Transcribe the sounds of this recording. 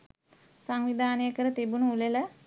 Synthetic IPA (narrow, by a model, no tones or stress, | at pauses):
saŋʋid̪ʱaːnəjəkəɾət̪ebunuulelə